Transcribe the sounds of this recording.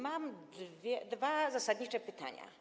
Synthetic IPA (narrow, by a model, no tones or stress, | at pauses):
mamd̪vʲjɛd̪vazasad̪ɲit͡ʂɛpɘt̪a̰ɲa̰